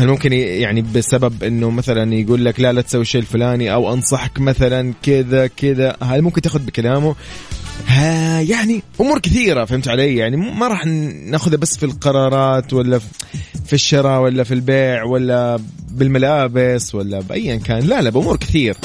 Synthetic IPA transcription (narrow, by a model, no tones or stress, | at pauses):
halmʊmkɪnjaʕnibɪsababʔɪnːʊmaθalanjɡuːlːaklalat̪sawːiʃeːʔɪlfʊlaːniʔawʔɑnsˤɑħkmaθalankɪd̪akɪd̪ahalmʊmkɪnt̪aːxʊd̪̚bɪkalaːmʊ | hajaʕniʔʊmuːɾkɪθiːɾafahɪmt̪ʕaleːjaʕnimmaɾˤɑːħnaːxʊðhabasːfilqɑɾˤɑːɾˤɑːt̪walːa | fiʃːɑɾˤɑwalːafilbeːʕwalːabɪlmalaːbɪswalːabʔa̰jːʔɪnkaːnlalabʔʊmuːɾkɪ̥θiːɾa